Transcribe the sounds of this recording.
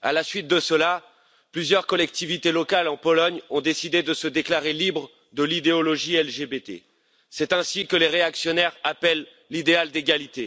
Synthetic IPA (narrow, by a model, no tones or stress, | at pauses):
a̰lasɥit̪̚d̪əsəla | plyzjœʁkɔlɛk̚t̪ivit̪elɔkalɑ̃pɔlɔɲɔ̃d̪esid̪ed̪əsəd̪eklaʁelibʁ | d̪əlid̪eɔlɔʒiɛlʒebet̪ḛ | sɛt̪ɛ̃sikəleʁeaksjɔnɛʁapɛlː | id̪eald̪eɡʲalit̪e